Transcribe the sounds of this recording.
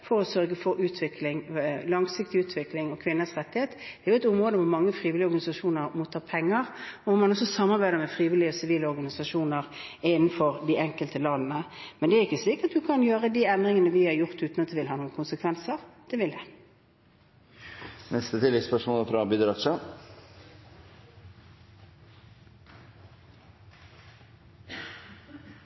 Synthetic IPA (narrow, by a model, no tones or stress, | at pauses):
fɔɾɔsœɾɡəfɔɾʉːt̪ʰʋɪkʰlɪŋlɑŋsɪk̚t̪ɪʉːt̪ʰʋɪklɪŋɔkʰʋɪnːəsʁɛt̪ːɪheːt̪d̪ɛæɾjʊɛt̪ʊmʁoːd̪əʋʊɾmɑŋːəfɾiːʋɪlɪɔʁɾɡɑnɪsɑʂuːnəɾmut̪ʰːɑːpʰɛŋːəʁɔʋʊɾmɑnɔsːɔsɑmːɑɾʁbæɪd̪əɾmɛfʁiːʋɪlɪəɔsɪʋiːləɔɾɡɑnɪsɑʂuːnəʁɪnn̩fɔɾd̪iɪɛŋkəlt̪əlɑnnəmɛnd̪ɛæɾɪkːəsliːkɑt̪̚d̪ʉkʰɑnjøːʁəd̪iɛnd̪ʁɪŋənəʋɪhɑɾjʊʁt̪ʉːt̪nɑt̪d̪ɛʋɪlɦɑːnuːənkʰʊnsəkʰʋɛnsəʁd̪̥ɛːʋɪld̪ɛ | nɛst̪ət̪ʰɪlːɛɡspœʂmɔːləfɾɑbɪd̪ɾɑʃɑ